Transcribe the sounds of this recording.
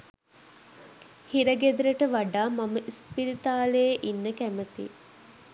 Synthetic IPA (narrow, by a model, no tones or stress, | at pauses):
hiɾɐɡed̪ɾəʈəʋaɖaːmaməʔispiɾit̪aːleːʔinːəkæmət̪ḭ